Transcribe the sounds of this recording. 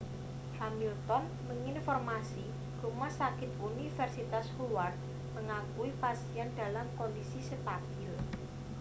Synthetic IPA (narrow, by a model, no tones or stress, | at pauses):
hamilt̪ɔn | məŋinfɔrmasi | rumasakɪt̪unifɛrsit̪ashuwart̪̚ | məŋakuipasiand̪̥a̤lamkɔndisisət̪atɪl